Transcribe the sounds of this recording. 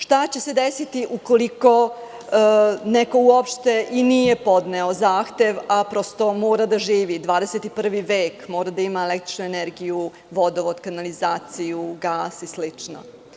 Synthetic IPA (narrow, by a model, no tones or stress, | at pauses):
ʃt̪at͡ɕe̞se̞d̪esit̪iʔuko̞liko̞ | neko̞uopʃt̪e̞ʔinije̞po̞d̪neo̞zaːxt̪e̞ʋapɾo̞st̪o̞moːɾad̪aʒiːʋid̪ʋaːd̪eset̪ipr̩ʋiʋeːkmoːɾad̪aimaelek̚t̪ɾi̥t͡ʃnueneɾɡiju | ʋo̞d̪oʋod̪kanalizaːt̪sijuɡaːsislit͡ʂno̰